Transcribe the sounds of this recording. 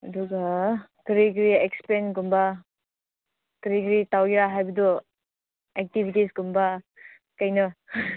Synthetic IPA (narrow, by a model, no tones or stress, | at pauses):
ɐduɡakɐɾiɡɾiekspenɡumba | kɐɾiɡɾitawɡiɾaɦajbɐdɔ | ek̚tibʱitisɡumba | kɐjnɐ